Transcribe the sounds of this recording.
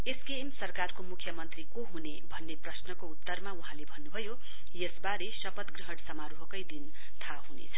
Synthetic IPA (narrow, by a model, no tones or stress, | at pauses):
eskemsʌrkarkomukʰjʌmʌnt̪rikoɦunebʱʌnːeprʌsnʌkout̪ːʌrmauɦãlebʱʌnːubʱʌjo | jesbaɾesʌpʌt̪ɡriɦʌɽsʌmaɾuɦʌkʌjd̪in | t̪ʰaɦunḛt͡sʰʌ